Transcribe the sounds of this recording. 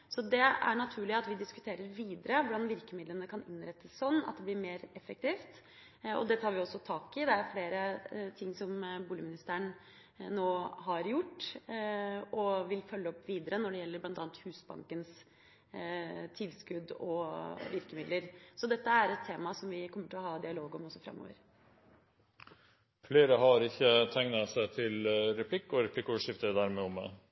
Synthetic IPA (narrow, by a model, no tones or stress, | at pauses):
sɔd̪ɛæ̰ɳɑt̪ʰʉːɭɪɑt̪ʋɪd̪ɪskʉ̥t̪ʰeːɾəɾʋiːd̪əɾəʋʊɖɑnʋɪɾkəmɪd̪lənəkʰɑnɪnɾɛt̪ːəssɔnːɑ̰t̪̚d̪ɛblɪɾmeːɾɛfːək̚t̪iːft̪ | ɔ̰d̪ɛt̪ʰɑːɾʋɪɔsːɔt̪ʰɑːkɪd̪ɛæfleːɾət̪ʰɪŋːsɔmbuːlɪmɪnɪst̪æɾəɳ | noːɦɑɾjʊʈː | ɔʋɪlfœlːəɔpːʋiːd̪əɾənɔɖɛjɛlːəɾblɑnt̪ɑːnt̪hʉːsbɑ̰ŋkəns | t̪ʰɪlskʉd̪ɔ̰ʋɪɾkəmɪd̪ləɾsɔd̪ɛt̪ːəæɾɛt̪ʰːeːmɑsɔmʋɪkʰɔmːəʈʰɪlɔhɑːd̪ɪɑloːɡɔmɔsːɔfɾɑ̰mːo̰ːʋə̰ɾ | fleːɾəɦɑɾɪçːət̪ʰæŋnɑsæɪt̪ʰɪlɾɛpʰlɪkːɔɾɛpʰlɪkːʂɪft̪əd̪æɾmɛɔmɛ̰